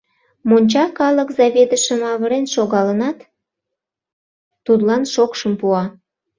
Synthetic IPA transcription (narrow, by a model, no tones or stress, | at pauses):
monʲt͡ɕɑkɑləkzɑβʲed̪əʃə̆mɑβəɾenʃoɣɑlənɑt̪ | ud̪lɑnʃokʃəmpuɑ